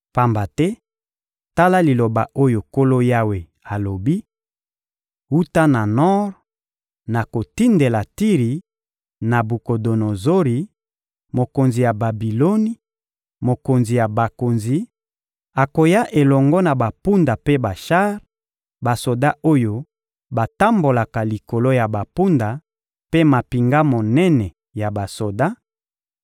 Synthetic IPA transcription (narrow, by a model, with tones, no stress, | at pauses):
pa˦mba˨tɛ˦ | ta˦la˦li˨lo˨ba˨ʔo˦jo˨ko˦lo˦ja˦we˨ | a˨lo˨bi˦ | u˦ta˦na˨nɔ˦ʁ | na˨ko˨ti˦nde˨la˨ti˦ʁi˨ | na˨bu˨ko˨do˨no˨zo˦ʁi˨ | mo˨ko˨nzi˨ja˨ba˨bi˨lo˦ni˦ | mo˨ko˨nzi˨ja˨ba˨ko˨nzi˨ | a˨ko˨ja˦ʔe˨lɔ˨ŋɡɔ˦na˨ba˨pu˦nda˨pe˦ba˨ʃa˦ʁ | ba˨so˨da˦ʔo˦jo˦ | ba˨ta˦mbo˨la˨ka˨li˨ko˨lo˦ja˨ba˨pu˦nda˨ | pe˦ma˨pi˨ŋɡa˦mo˨nɛ˦nɛ˨ | ja˨ba˨so˨da˦